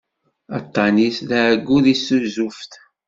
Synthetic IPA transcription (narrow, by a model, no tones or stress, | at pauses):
ɑt̪ˤːɑnisðæʕɡːuðisuzufθ